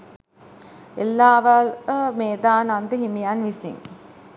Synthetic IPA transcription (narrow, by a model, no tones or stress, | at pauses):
elːaːʋalmeːd̪aːnand̪əɦimijanʋisḭŋ